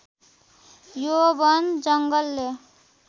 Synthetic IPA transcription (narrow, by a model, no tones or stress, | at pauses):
jobʌnd͡zʌŋɡʌlːe